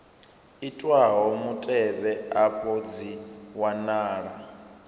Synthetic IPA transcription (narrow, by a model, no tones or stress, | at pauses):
itʼwaɦɔmutʼɛɓɛapʰʼod͡ziwanaːɺa